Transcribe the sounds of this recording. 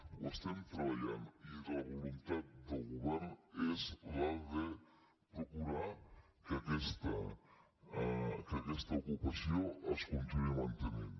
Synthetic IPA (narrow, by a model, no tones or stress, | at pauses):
west̪ant̪ɾajanid̪aβolunt̪at̪̚d̪elɣuβɛɾnɛslad̪e | pɾokuɾa | keakest̪a | keakɛst̪aokupasjoaskont̪inuamãnt̪enen